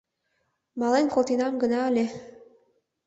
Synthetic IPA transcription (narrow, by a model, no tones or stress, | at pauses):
mɑlenkolt̪inɑmɡə̆nɑːlʲe